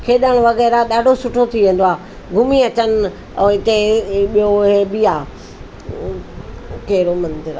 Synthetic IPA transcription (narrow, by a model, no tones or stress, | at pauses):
kʰeːɗəɽ̃ʋɐɣɛːɾaɗaːɖʱosʊʈʰot̪ʰiʋẽːn̆d̪oaː | ɡʱʊmiɐt͡ɕənɪ̆ | ɛ̃ːɦɪt̪eɓijoɦebiaː | kɐɦɪɾomɐ̃nd̪ɪɾ